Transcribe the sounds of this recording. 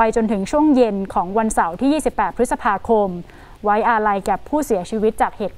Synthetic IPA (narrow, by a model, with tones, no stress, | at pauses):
a˧jt͡ɕo˧nt̪ʰɯ˩˦ŋt͡ɕʰu˥˩əŋje˧nkʰɔː˩˦ŋwa˧nsa˩˦wt̪ʰiː˥˩jiː˥˩si˨˩pːɛː˨˩t̪̚pʰɾɯ˦˥t̪sa˧pʰaː˧kʰo˧m | wa˦˥jʔa˧ɾa˧jkaː˨˩pʰuː˥˩si˨˩˦t͡ɕʰiː˧wi˦˥t̪̚t͡ɕaː˨˩k̚heː˨˩t̪̚